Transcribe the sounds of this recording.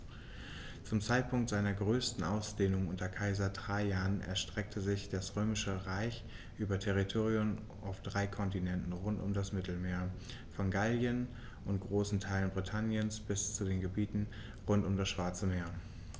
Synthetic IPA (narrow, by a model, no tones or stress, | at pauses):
t͡sʊmt͡saɪt̚pʰʊŋktz̥aɪnɐɡʁøːstn̩ʔaʊsd̥eːnʊŋʔʊntɐkʰaɪzɐdʁaɪjaːənʔɛ̰ɐʃtʁ̥ɛk̚tʰəzɪçd̥asʁøːmɪʃəʁaɪç | ʔyːbɐtʰɛʁ̞itʰoːʁiʊm | ʔaʊfd̥ʁaɪkʰɔntinɛntn̩ʁʊntʊ̰mdasmɪtl̩meːɐ | fɔnɡaljən | ʔʊntɡ̥ʁoːsn̩tʰaɪlənbʁitʰanjənsb̥ɪst͡sudeːnɡəbiːtn̩ | ʁʊntʊmdasʃv̥aɐt͡səmeːɐə